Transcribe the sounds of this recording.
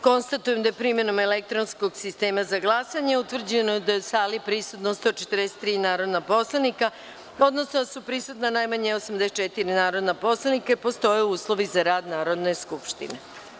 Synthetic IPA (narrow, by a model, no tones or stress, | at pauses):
ko̞nst̪at̪ujemd̪aepɾime̞no̞melek̚t̪ɾonsko̞ɡsist̪e̞ːmazaɡlˠasaɲeut̪ʋr̩d͡ʑenojd̪asaːlipɾisut̪nost̪o̞t͡ʃe̥t̪ɾd̪ese̥t̪ːɾiːnaːɾo̞d̪napo̞slˠanika | o̞d̪nosnod̪asupɾisut̪nanajmaɲeosamd̪eset͡ʃet̪iɾinaːɾo̞d̪napo̞slˠanikepo̞st̪o̞jeuːslˠo̞ʋizaɾaːd̪naːɾo̞d̪ne̞skupʃt̪ḭne